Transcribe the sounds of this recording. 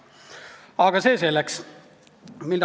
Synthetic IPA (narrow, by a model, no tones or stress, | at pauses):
ɑɡ̥ɑseːselæks | milː